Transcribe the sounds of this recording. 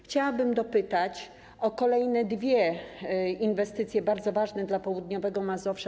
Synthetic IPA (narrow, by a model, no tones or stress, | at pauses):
xt͡ɕawabɘmd̪ɔpɘt̪at͡ɕ | ɔkɔlɛjnɛd̪vʲjɛ | invɛst̪ɘt̪sʲjɛbaɾd̪zɔvaʐnɛd̪lapɔwud̪ɲɔvɛɡɔmazɔfʂa